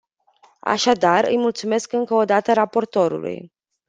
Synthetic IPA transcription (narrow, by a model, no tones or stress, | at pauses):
a̰ʃad̪arɨ̰jmult̪sume̞skɨŋkəod̪at̪əɾapo̞rt̪o̞ɾṵlṵj